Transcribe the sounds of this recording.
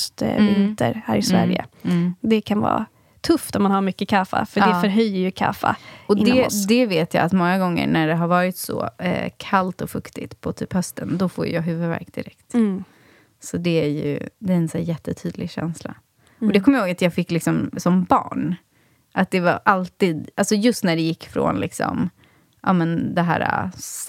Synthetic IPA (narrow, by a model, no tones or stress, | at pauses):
st̪vɪnt̪ə̰ɾhæ̰ːɾɪsvæ̰ɾjə̰d̪ɛkʰanvɑ̰ː | t̪ʰɵft̪ɔmmanhaɾmʏkːəkʰafa̰fœɖɛfœɾɦœjːəɾjɵkʰa̰ːfa̰ɔdɪnɛd̪ɛveːt̪ja̰ːat̪mɔŋːaɡɔŋːə̰ɳæɖɛɦaɾvɑːɾɪt̪sɔ̰kʰalt̪ɔfɵkt̪ɪt̪pʰɔt̪ʰyːphœst̪ənd̪ɔfoːj̰jɑːɦʉ̟ːvəvæ̰ɾkd̪ɪɾɛkt̪ | sɔd̪ɛæɾjɵ̰d̪ɛæɾɛnsæːjɛt̪ʰːət̪ʰyːd̪lɪɡɕɛ̰nsla̰ | ɔd̪ɛkʰɔməjhoːɡat̪jɑːɡfɪkːlɪksɔmsɔmbɑ̰ːɳ | ʔat̪̚d̪ɛvaɾʔalt̪iːd̪ʔalsɔjɵst̪næɖɛjɪkːfɾo̰nlɪksɔ̰m | ʔɑːmɛnd̪ɛɦæ̰ːɾa